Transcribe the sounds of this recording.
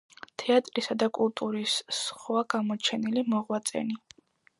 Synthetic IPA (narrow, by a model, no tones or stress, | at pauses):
t̪ʰɛat̪ʼɾisad̪akʼulˠt̪ʼuɾisːχwaɡamɔt͡ʃʰɛnilimɔʁwat̪sʼɛ̰ni